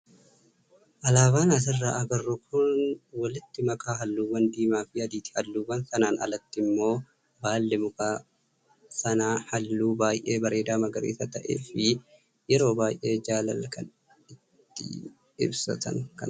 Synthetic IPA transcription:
ʔɐlaːbaːnɐs̬ɪrːaʔɐɡɐrːʊkʰʊnwɐlɪt̪ːɪmɐkaːɦɐlːuːwːɐnd̪iːmaːfɪɐd̪iːt̪ɪ̥hɐlːuːwːɐnsɐnaːnɐ̰lɐt̪ːɪmːo̞ː | baːlːɛmʊkaː | sɐnaːhɐlːuːbaːjʔe̞ːbɐɾʔe̞ːd̪aːmɐɡɐɾeːsɐt̪ɐʔḛːfɪ | jɛɾo̞ːbaːjʔe̞ːd͡ʒaːlɐ̰lkɐn | ɪt̪ːɪ̰ | ɪ̰bsɐ̰t̪ɐ̰ŋkɐ̰n

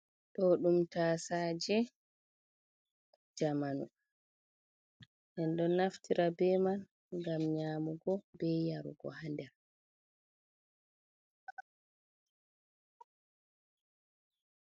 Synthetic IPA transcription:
ɗɔɗumtasaːd͡ʒɛ | d͡ʒamanṵ | nɛnɗɔnaftiɾabɛman | ɡamɲaːmuɡɔbɛjaɾṵɡɔ̰handɛ

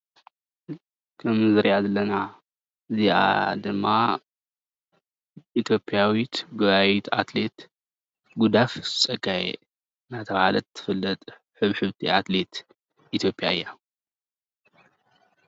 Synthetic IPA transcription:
kʰɐmzɨɾjazɐlɐna | ɨziʔa̰d̪ɨmːa | ʔit̪ʰjo̞pʼjawit̪ɡɨβawit̪ʰa̰t̪le̞t̪ | ɡud̪afzɨt͡sʼɐɡajḛ | nat̪ʰɐβahalɐt̪ʰːɨ̥fɨlːɐt̪ʼ | ħɨβħɨβt̪ʰiat̪le̞t̪ | ʔit̪ʰjo̞pʼja̰ɨjːa

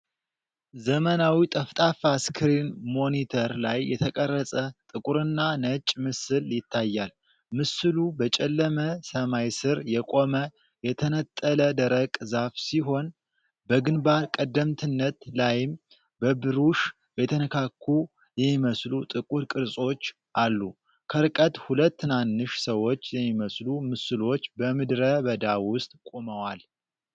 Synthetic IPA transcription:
zəmənawit̪ʼəft̪ʼafaskʰɨɾinmo̞nit̪ʰəɾlajːɛt̪ʰəkʼərːəsʼət̪ʼɨkʼuɾɨnːanət͡ʃʼmɨsɨljɪt̪ʰːajːal | mɨsɨlubət͡ʃʼɛlːəməsəmajsɨɾjɛkʼo̞mə | jɛt̪ʰənət̪ʼːələd̪əɾəkʼzafsiɦo̞n | bəɡɨnbaɾkʼəd̪ːəmt̪ʰɨnːət̪lajɪm | bəbɨɾuʃ | bɛt̪ʰənəkʰakʰːu | jɛmːiməslut̪ʼɨkʼuɾkʼɨɾsʼo̞t͡ʃː | ʔalːu | kʰəɾɨkʼət̪hulət̪ːɨnanːɨʃsəwo̞t͡ʃːjɛmːiməslumɨsɨlo̞t͡ʃːbəmɨd̪ɾəβəd̪awʊst̪ʼkʼoməwal

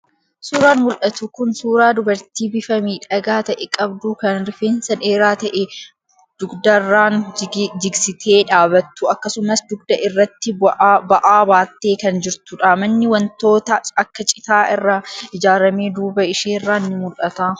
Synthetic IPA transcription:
suːɾaːnmʊlʔɐt̪ʊkʊnsuːɾaːd̪ʊbɐɾt̪iːbɪfɐmiːᶑɐɡaːt̪ɐʔɛkʼɐbd̪uːkɐnɾfeːnsɐneːɾaːt̪ɐʔɛ | d̪̥ʊɡd̪ɐrːaːnd͡ʒɪɡsɪt̪ʰe̞ːᶑaːbɐt̪ːʊɐkːɐsʊmɐsd̪ʊɡ̚d̪ɐʔɪrːɐt̪ːɪbɐʔaːbaːt̪ːeːkɐnd͡ʒɪɾt̪ʊᶑaːmɐnːɪwɐnt̪o̞ːt̪ɐɐkːɐt͡ʃʼɪ̥t̪aːʔɪrːaɪd͡ʒaːɾɐmeːd̪uːbɐɪʃeːrːaːnnːɪmʊlʔɐt̪aː

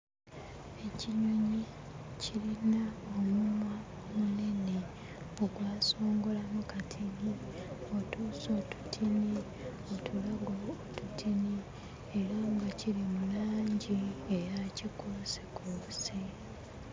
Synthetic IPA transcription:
e̞ciɲoɲi | cʰilinaomuma | omune̞ne | oɡwaːso̞ːŋɡo̞lamukatʰini | o̞tuːso̞tu̥tʰini | o̞tʰulaɡoːtutʰini | eɾaŋɡaciɾimulaːɲɟiejacikosekʰose

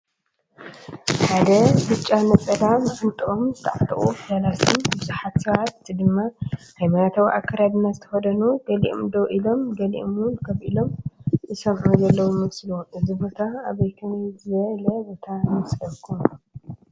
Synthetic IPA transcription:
ħad̪ɐbɨt͡ʃʼanɐt͡sʼɐlamfʰɨnt̪ʼɨʔomzɨt̪ʰaʕat̪ʼχʼuflalasombɨzuħat̪sɐβat̪d̪ɨmːahajmanat̪ʰawʔa̰kːɐɾad̪ɨnːazɨt̪ʰɐxɐd̪ɐnuɡɐlḭʔo̰md̪oʔilo̞mɡɐlḭʔomwʊnkʰɐβʔilo̞mʔɨsɐmʕuzɐlːɐwujmɐslʔɨzɨbo̞t̪ʰaaβɐjk̪ʰɐnizɨɐlɐbot̪ʰamɨslɐkʰum

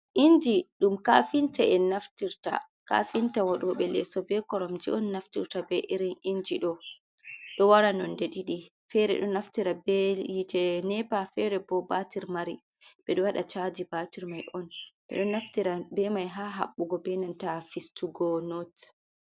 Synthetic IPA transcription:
ʔind͡ʒiɗumkafintaʔɛnaftiɾta̰ | ka̰fintawaɗuɔɓɛlɛsɔbɛkɔɾɔmd͡ʒiʔɔnːaftiɾtabɛʔiɾinind͡ʒiɗɔ | ɗɔwaɾanɔndɛɗiɗi | fɛɾɛ̰ɗɔnaftiɾabɛjitɛnɛpafɛɾɛbɔbatiɾmaɾi | bɛɗɔwaɗat͡ʃad͡ʒibatiɾmajʔɔnbɛ̰ɗɔnːaftiɾabɛmajɦaːɦa̰ɓːuɡɔbɛnantafistuɡɔnɔt

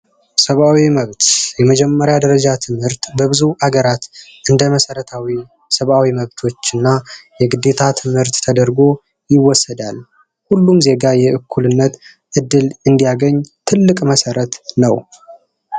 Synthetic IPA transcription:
səβawiməβt̪jɛməd͡ʒɛmːəɾjad̪əɾəd͡ʒat̪ʰɨmhɨɾt̪bəβɨzuʔaɡəɾat̪ʔɨnd̪əməsəɾət̪ʰawi | səβawiməβt̪ʰo̞t͡ʃːɨnːajɛɡɨd̪e̞t̪ʰat̪ʰɨmhɨɾt̪ːʰəd̪əɾɡo̞ | jɪwːɔsəd̪al | hulːumze̞ɡajɛʔɨkʰːulɨnːət̪ | ʔɨd̪ːɨlɨnd̪ijaɡəɲːt̪ʰɨlːɨkʼməsəɾət̪nəw

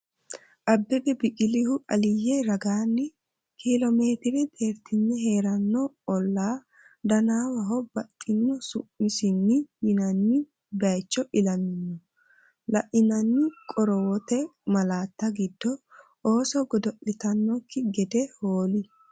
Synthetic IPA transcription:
ʔɐbːɛbɛbɪkʼɪlɪhʊʔɐlɪjːɛɾɐɡaːnːɪ | kʰilɔme̞ːt̪ɪɾɛd̪ʼeːɾt̪ɪnːɛɦe̞ːɾɐnːɔ | ɔlːaː | d̪ɐnaːwɐɦɔbɐtʼːɪnːɔsʊʔːɪsɪnːɪjɪnɐnːɪ | bɐjt͡ʃːɔʔɪlɐnɪnːɔ | lɐʔɪnɐnːɪkʼɔɾɔwɔt̪ɛmɐlaːt̪ːɐɡɪd̪ːɔ | oːsɔɡɔd̪ɔʔɪt̪ɐnːɔkːɪɡɛd̪ɛhoːlɪ

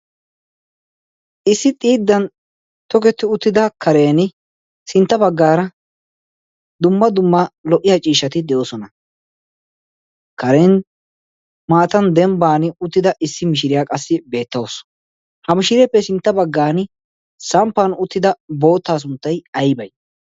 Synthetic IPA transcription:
ʔɪsːɪt̪ʼiːd̪ːɐn | t̪ɔkɛt̪ːɪʊt̪ːɪd̪ɐkʰɐɾeːnɪ | sɪnt̪ːɐbɐɡːaːɾɐ | d̪ʊmːɐd̪ʊmːɐlɔʔːɪjɐt͡ʃʼiːʃːɐt̪ɪd̪ɛjoːsɔnɐ | kɐɾeːn | maːt̪ɐnd̪ɛmbaːnɪʊt̪ːɪd̪ɐʔɪsːɪmɪʃ̬ɪɾɪjakʼɐsːɪbe̞ːt̪ːɐws | hɐmɪʃɪɾɛpːɛsɪnt̪ːɐbɐɡːaːnɪ | sɐmpːanʊt̪ːɪd̪ɐbo̞ːt̪ːaːs̬ʊnt̪ːɐjɐjbɐj

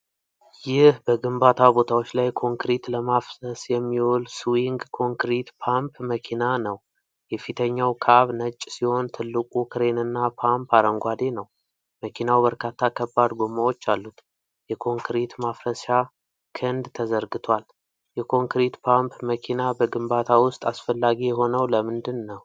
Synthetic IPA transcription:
jɪhbəɡɨmbat̪ʰabo̞t̪ʰawot͡ʃːlajkʰo̞ŋkɾit̪ləmafsəsjɛmːiwolsuwiŋɡkʰo̞ŋkɾit̪pʰampməkʰinanəw | jɛfit̪ʰəɲːawkʰaβnət͡ʃʼːsiho̞nt̪ʰɨlːɨkʼukʰɨɾe̞nɨnːapʰampaɾəŋɡʷad̪e̞nəw | məkʰinawbəɾkʰat̪ʰːakʰəbːad̪ɡomawo̞t͡ʃːalːut̪ | jɛkʰo̞ŋkɾit̪mafɾəsa | kʰɨnd̪t̪ʰəzəɾɡɨt̪ʰwal | jɛkʰo̞ŋkɾit̪pʰampʰməkʰinabəɡɨmbat̪ʰawʊst̪ʼasfəlːaɡijɛɦo̞nəwləmɨnd̪ɨnːəw

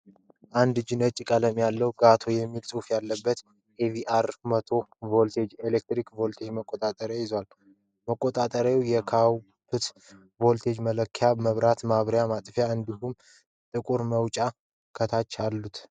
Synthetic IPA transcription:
ʔand̪d͡ʒɪnət͡ʃʼːkʼələmjalːəwɡat̪ʰo̞jɛmːilsʼufjalːəbːət̪ | ʔeviʔaɾmət̪ʰo̞volt̪ʰe̞d͡ʒelek̚t̪ɾikvo̞lt̪ʰe̞d͡ʒməkʼːot̪ʼat̪ʼəɾjajɪzwal | məkʼːot̪ʼat̪ʼəɾjawjɛkʰaw | fɨt̪ | vo̞lt̪ʰe̞d͡ʒmələkʰːjaməβɾat̪maβɾjamat̪ʼfjaɨnd̪ihum | t̪ʼɨkʼuɾməwt͡ʃʼa | kʰət̪ʰat͡ʃːalːut̪

